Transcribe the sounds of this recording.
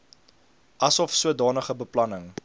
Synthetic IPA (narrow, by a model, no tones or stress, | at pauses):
ʔɐsɔfsuədɑːnəχəbəplɐnəŋ